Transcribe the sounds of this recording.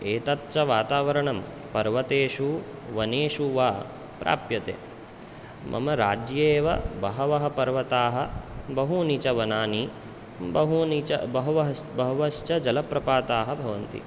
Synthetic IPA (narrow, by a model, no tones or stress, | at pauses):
eːt̪ɐt̪t͡ʃɐʋaːt̪aːʋɐɾɐɳɐm | pɐɾʋɐt̪eːʂu | ʋɐneːʂuʋaː | pɾa̰ːpjɐt̪ḛː | mʔɐ̰mɐɾaːd͡ʒjeːʋɐ̰bɐɦɐʋɐɦɐpɐɾʋɐt̪aːɦɐbɐɦunit͡ʃɐʋɐnaːni | bɐɦunit͡ʃɐ̰bɐɦɐʋɐɦɐbɐɦuʋɐʃt͡ʃɐd͡ʒɐlɐpɾɐpaːt̪aːɦɐ̆bʱɐʋɐnt̪ḭ